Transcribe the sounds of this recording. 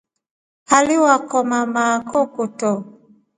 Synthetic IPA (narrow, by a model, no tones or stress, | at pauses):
haliwakɔmamakɔkotɔ